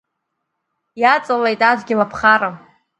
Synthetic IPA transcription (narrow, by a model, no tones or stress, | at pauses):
jat͡sʼalejtʼazʷɡʲɪlapʰχaɾa